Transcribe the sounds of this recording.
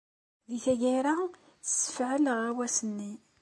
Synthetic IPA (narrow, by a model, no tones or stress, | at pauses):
ðiθæʝiɾḁ | sə̥fʕəlʁawæsənːi